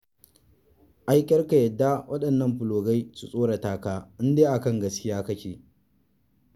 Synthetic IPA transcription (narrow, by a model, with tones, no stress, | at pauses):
ʔa˦jkʲʼɐ˦rka˨jɐ˨dːa˦wʔɐ˦ɗɐ˨nːɐ˦mɸʊ˨loː˨ɡa˦jsu˨sʼoː˦ɽa˨taː˦kaː˦ʔɪ˦ndeː˦ʔa˨kɐ˦˨ŋɡɐ˦skʲɪ˦jaː˦kɐ˦kʲeː˨